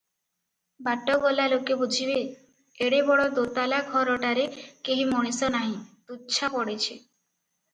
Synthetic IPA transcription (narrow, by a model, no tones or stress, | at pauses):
baʈːɔɡolalokebud͡ʒʱibe | eɽebɔɽɔd̪ot̪alaɡʱɔɾɔʈaɾekeɦimoɽ̃isɔnaɦĩt̪utːʃʰapɔɽet͡ʃʰe